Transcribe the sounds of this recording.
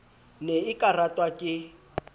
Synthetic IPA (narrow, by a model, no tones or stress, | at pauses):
neɪkʼaratʼwakʼɪ